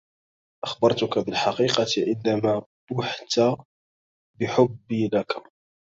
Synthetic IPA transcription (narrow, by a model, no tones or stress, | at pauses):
ʔɑxbɑɾˤt̪ʊkabɪlħaqiːqɑt̪ʕənd̪æmæbʊħt̪a | bɪħʊbːilaka